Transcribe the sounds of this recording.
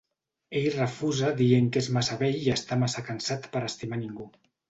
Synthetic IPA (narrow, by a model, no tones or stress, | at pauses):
eʎrəfuzaðieŋkezmasaβɛʎiəst̪amasakansat̪pəɾəst̪imaniŋɡu